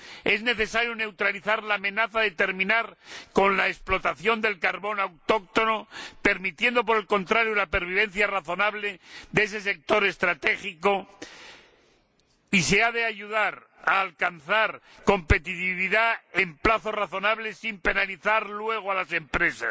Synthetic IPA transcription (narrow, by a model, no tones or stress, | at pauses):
e̞zne̞θe̞saɾjone̞wt̪ɾaliθaɾlaːmẽ̞naθaðe̞t̪e̞ɾmĩnaɾko̞nlaesplo̞t̪aθjo̞nd̪e̞lkaɾβo̞nawt̪o̞k̚t̪o̞nope̞ɾmit̪je̞nd̪o̞p̬o̞ɾe̞lko̞nt̪ɾaɾjolape̞ɾβ̞iβ̞e̞n̟θjaraθo̞naβle̞ðee̞s̬e̞se̞k̚t̪o̞ɾe̞st̪ɾat̪e̞xiko̞ | ise̞aðe̞aʝuðaɾ | aːlkanθaɾ | ko̞mpe̞t̪it̪iβiðae̞mplaθo̞raθo̞naβle̞simpe̞naliθaɾlwe̞ɣ̞oalase̞mpɾe̞sa̰s